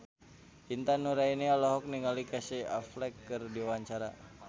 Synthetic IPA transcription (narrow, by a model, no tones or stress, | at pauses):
int̪anuɾainialɔɦɔk̚niŋalikasia̰flɛkːɨrdiwaɲt͡ʃaɾa